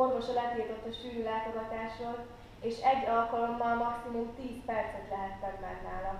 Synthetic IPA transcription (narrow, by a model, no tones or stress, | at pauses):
o̞nt̪o̞ʃɒlɛt̪leːt̪ot̪ːɒʃfyːlylaːt̪o̞ɡɒt̪aːʃroz | eːʃɛɟːɒlkɒlo̞mːɒlmɒksimumt̪iːspɛrt̪sɛt̪lɛɦɛt̪sɛnnɛrnaːlɒ